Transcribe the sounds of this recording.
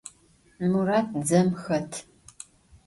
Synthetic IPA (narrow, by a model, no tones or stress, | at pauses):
muraːtʰd͡zɐmxɐtʰ